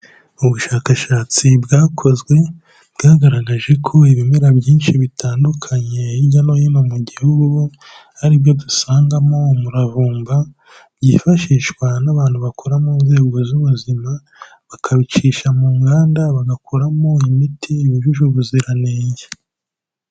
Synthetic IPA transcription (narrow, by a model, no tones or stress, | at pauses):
uβuʃaːkaʃaːt͡sibɡaːkʰo̞zɡwe̞ | bɡaːɡaɾaɡaʒe̞kʰo̞iβimeɾabjiːnʃiβitaːndukʰaɲe̞iɟanojinomuɟihhuɡu | haɾibjo̞dusaːŋɡamo̞muɾavuːmba | bɟiːfaʃiːʃwanaβaːn̥huβakʰoɾamuːnze̞ːɡo̞zuβuzima | βakʰaβit͡ʃiːʃamuːŋɡaːndaβaɡakʰoɾamo̞imitʰiiβuʒuʒuβuziɾaneːɲje